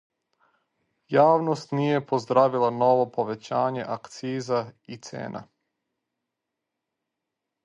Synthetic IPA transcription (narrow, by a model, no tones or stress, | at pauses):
jaːʋnost̪nije̞pozd̪ɾaːʋilˠano̞ʋo̞po̞ʋe̞t͡ɕaːɲe̞ʔakt̪siːzait̪sḛːna̰